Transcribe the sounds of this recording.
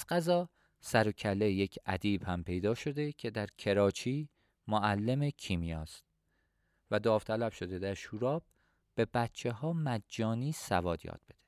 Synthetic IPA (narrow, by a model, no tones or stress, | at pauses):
zɢæzɒː | sæɾocʰælːe̞je̞cʰæd̪iːb̥hæmpʰe̞jd̪ɒːʃo̞d̪e̞cʰe̞d̪æɾcʰe̞ɾɒːt͡ʃʰiː | moʔælːemecʰiːmijɒːst̪ | væd̪ɒːvt̪ʰælæb̥ʃo̞d̪e̞d̪æɾʃuːɾɒːb̥̚ | b̥e̞bæt̪t͡ʃʰe̞hɒːmæd͡ʒːɒːniːsævɒːd̪jɒ̰ːd̪̥̚be̞d̪̥e